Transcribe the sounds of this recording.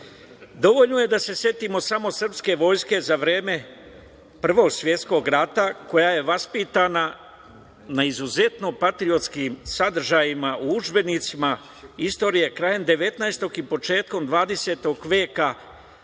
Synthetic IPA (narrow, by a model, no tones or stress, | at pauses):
d̪o̞ʋo̞ʎnoje̞d̪ase̞sje̞t̪imo̞samo̞sr̩pske̞ʋo̞jske̞zaʋɾe̞ːme̞ | pr̩ʋo̞ːɡsʋje̞t̪sko̞ɡɾat̪ako̞jaje̞ʋaspit̪ana | naizuze̞t̪no̞pat̪ɾio̞t̪skiːmsad̪r̩ʒajimaʔuud͡ʒbe̞nit̪sima | ist̪o̞ːɾije̞kɾaːje̞md̪e̞ʋe̞t̪naest̪o̞kipo̞t͡ʃe̞ːt̪ko̞md̪ʋaːd̪e̞se̞ːt̪o̞ɡʋeːka